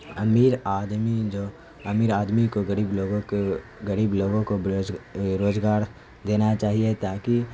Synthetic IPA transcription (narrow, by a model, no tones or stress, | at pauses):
ɐmiːɾaːd̪mid͡ʒoː | ɐmiːɾaːd̪mikoɡɐɾiːbloːɡõke | ɡɐɾiːbloːɡõkod͡ʒɾoːd͡ʒɡaːɾ | d̪eːnat͡ʃaːɦiet̪aːki